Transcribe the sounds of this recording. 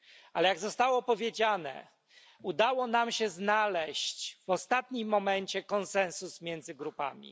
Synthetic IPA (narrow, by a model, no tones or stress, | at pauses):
alɛjaɡzɔst̪awɔpɔvʲjed͡ʑanɛ̰ | ud̪awɔnamɕɛznalɛɕt͡ɕv̥ɔst̪at̪ɲimːɔmɛɲt͡ɕɛkɔnsɛ̃nsusmʲjɛnd̪zɘɡɾupa̰mʲḭ